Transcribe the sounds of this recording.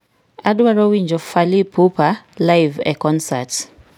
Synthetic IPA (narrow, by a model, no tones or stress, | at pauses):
adwaɾɔwiɲd͡ʒɔfalipupalajvɛ̰kɔnsat